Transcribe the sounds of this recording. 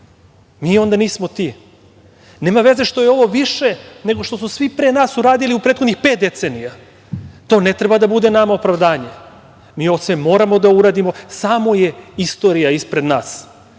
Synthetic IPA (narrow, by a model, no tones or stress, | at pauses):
miːo̞nd̪aniːsmo̞t̪i | neːmaʋe̞ze̞ʃt̪o̞jeo̞ʋo̞ʋiʃene̞ɡo̞ʃt̪osusʋipɾenaːsuɾaːd̪iliupɾet̪xo̞d̪nixpet̪d̪e̞t̪senija | t̪o̞ːne̞t̪ɾebad̪abud̪e̞namaopɾaʋd̪aːɲe | miːo̞t̪semo̞ːɾamo̞d̪auɾaːd̪imo̞saːmo̞je̞ist̪o̞ɾijaispɾe̞d̪naːs